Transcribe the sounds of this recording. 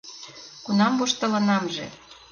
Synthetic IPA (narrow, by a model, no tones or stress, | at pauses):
kunɑmbuʃt̪ɤ̆lɤ̆nɑmʒḛ